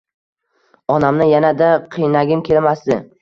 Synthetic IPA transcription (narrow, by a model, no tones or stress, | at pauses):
ɒnamnɪjanad̪aqʰɨjnaɡʲɪmkʲʰe̞lmasd̪ɪ